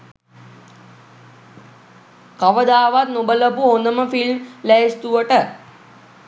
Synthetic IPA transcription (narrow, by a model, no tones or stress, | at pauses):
kaʋəd̪aːʋat̪nobələpuhond̪əməfilmlɛest̪uʋəʈə